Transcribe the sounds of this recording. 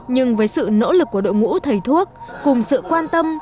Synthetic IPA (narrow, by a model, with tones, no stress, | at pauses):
ɲɨ˧ŋvəː˨˦jsɨ̰˧˨no̰˧˥lɨ˨˩k̚ːu˧˩əɗo̰˧˨jŋṵ˧˥t̪ʰə˨˩jt̪ʰu˦˥ək̚kʊ˨˩ŋ͡msɨ̰˧˨kwaː˧nt̪ə˧m